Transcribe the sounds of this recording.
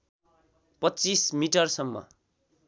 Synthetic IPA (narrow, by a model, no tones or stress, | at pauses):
pʌtːt͡sismiʈʌrsʌmːʌ̰